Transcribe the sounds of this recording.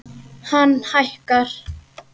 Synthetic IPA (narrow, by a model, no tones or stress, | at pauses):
hanhajhkaɾ̥